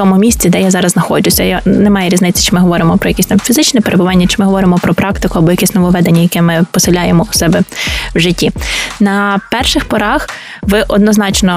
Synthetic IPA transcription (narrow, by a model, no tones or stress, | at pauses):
ɔmʊmʲisʲt͡sʲid̪ɛjazɑɾɐzznɐxɔd͡ʒʲʊsʲɐjanɛmɑjɛɾʲiznɪt͡sʲːɐ̥t͡ʃɪmɪɦɔʋɔɾɪmɔpɾɔjɐkisʲt̪ɑmfʲizɪt͡ʃnɛpeɾʔebʊʋɑnʲːɐt͡ʃɪ̥mɪɦɔʋɔɾɪmɔpɾɔpɾɑkt̪ɪkʊɐbɔjɐkɛsʲnɔʋɔʋɛd̪enʲːɐjɐkɛmɪpɔsɪlʲajemɔʊsɛbɛwʒɪtʲːinɐpɛrʃɪxpɔɾɑx | ʋɪʔɔd̪nɔznɑt͡ʃnɔ